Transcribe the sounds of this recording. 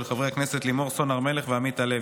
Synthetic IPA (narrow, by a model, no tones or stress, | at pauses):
lχavʁeakneset̪limo̞ʁso̞naʁme̞le̞χveamit̪ale